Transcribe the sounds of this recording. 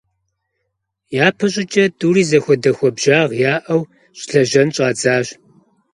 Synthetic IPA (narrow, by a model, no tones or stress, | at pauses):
jaːpʰɨɕʼɪt͡ʃʼɐduːriːzɐxʷɔdɐxʷɔbʒaːʁjaːʔɐw | ɕʼɬɐʒɐnɕʼaːd͡zaːɕ